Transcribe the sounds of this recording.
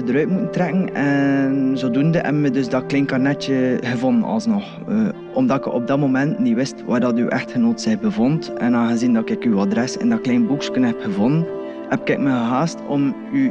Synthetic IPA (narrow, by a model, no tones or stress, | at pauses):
dəɾœːt̚mutən̩trɛkən̩ɛnzoːdundəʔɛ̰mmədɵsdɑklɛːnkarnɛtəɣəvɔnənɑ̰lˠsnɔx | ø | ʔɔmdɑtkəʔɔ̰b̚dɑmomɛntniwɪstʋaːrdɑtyʔɛ̰xthənoːtz̥ɪxbəvɔntɛnaːɣəzindɑkɪkywadɾɛsɛ̰ndɑklɛːnbukskənɦɛpxəvɔnən | hɛp̚kɪk̚məɣəɦaːstɔm | y